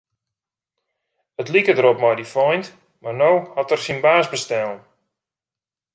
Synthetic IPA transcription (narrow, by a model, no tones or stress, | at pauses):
ətlikədəɾɔpmɔjdifɔjnt | marnowhɔtərsinbaːsbəstɛlˠən